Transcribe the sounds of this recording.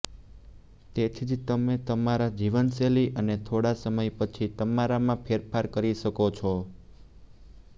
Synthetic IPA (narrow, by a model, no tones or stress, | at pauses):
t̪et̪ʰid͡ʒt̪əmet̪əmaɾad͡ʒiʋənseliʔənet̪ʰoɽasəməjpət͡ʃʰit̪əmaɾamãpʰeɾpʰaɾkəɾiʃəkot͡ʃʰo